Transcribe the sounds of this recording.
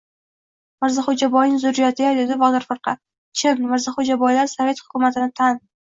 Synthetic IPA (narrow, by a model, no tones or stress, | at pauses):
mɪɾzɪχʊd͡ʒabɒjnɪŋʲzʊɾːijɒt̪ʰɪɡajd̪ɪd̪ɪvɒd̪aɾfɨɾqʰɑ | t͡ʃʰɪnmɪɾzɪχod͡ʒabɒjlaɾsave̞t̪hʊ̥kʰʲʊmat̪ʰɪnɪt̪ʰan